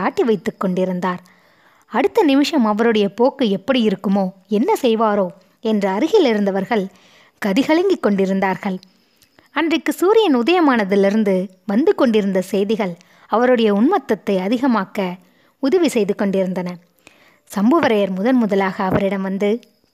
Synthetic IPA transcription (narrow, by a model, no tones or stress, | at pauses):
aːʈːiʋɐɪt̪ːɯkːɔɳɖɪɾɯnd̪aːɾ | ɐɽɯt̪ːɐnɪmɪʂɐmɐʋɐɾɯɽɐjɐpoːkːɯɛpːɐɽijɪɾɯkːɯmoːɛnːɐsɛjʋaːɾoː | ɛndrɐɐɾɯɣɪlɪɾɯnd̪ɐʋɐɾɣɐɭ | ɡ̥ɐðɪɣɐɭɐŋɡɪkːɔɳɖɪɾɯnd̪aːɾɣɐɭ | ɐndrɐkːɯsuːɾɪjɐnʊðɐjɐmaːnɐðɪlɪɾɯnd̪ɯ | ʋɐnd̪ɯkːɔɳɖɪɾɯnd̪ɐsɛjðɪɣɐɭ | ɐʋɐɾɯɽɐjɐʊɳmɐt̪ːɐt̪ːɐɪɐðɪɣɐmaːkɐ | ʊðɐʋisɛjðɯkːɔɳɖɪɾɯnd̪ɐnɐ | sɐmbɐʋɐɾɐjɐɾmʊðɐnmʊðɐlaːɣɐːʋɐɾɪɽɐmʋɐnd̪ɯ